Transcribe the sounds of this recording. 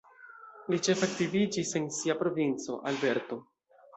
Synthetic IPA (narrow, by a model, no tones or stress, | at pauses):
lit͡ʃe̞fak̚tivid͡ʒise̞nsiapɾo̞vint͡so̞̰ʔalbe̞ɾto̞